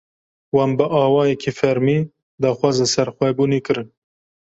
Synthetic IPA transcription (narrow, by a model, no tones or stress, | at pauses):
wɑːmbɨʔɑːwɑːjɛkʰiːfɛɾmiː | d̪ɑːxwɑːzɛsɛɾxʷwɛbuːnikɨɾɨn